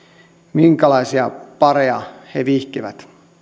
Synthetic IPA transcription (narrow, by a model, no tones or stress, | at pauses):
miŋkælɑisiɑpɑreɑheʋihkiʋæt̪